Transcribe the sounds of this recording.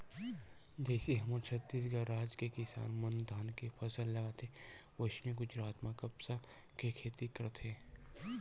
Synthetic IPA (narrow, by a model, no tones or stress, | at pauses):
d͡ʒɛːsiɦɐmat͡ʃʰɐt̪ːiːs̬ɡaɾːaːd͡ʒkekɪsa̰ːnmɐnd̪ʱaːnkepʰɐsəlːɐɡat̪ʰeʋoʃneɡʊd͡ʒɾaːt̪mãkɐbsa | kekʰeːt̪ikəɾt̪ʰeː